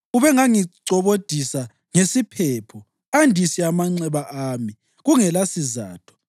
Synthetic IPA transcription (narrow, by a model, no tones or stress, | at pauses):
uβɛŋaŋiǀɔβod̥ʱisa | ŋesipʰɛːpʰɔ | andʱisiamaŋ͡ǀɛβaʔaːmi | ɣuŋɛlasiza̰ːtʰɔ̥